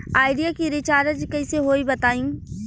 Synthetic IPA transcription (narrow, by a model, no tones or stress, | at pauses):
aːɪɖijakiɾɪt͡ʃaːɾəd͡ʒkɐiseɦoːibɐt̪aːĩː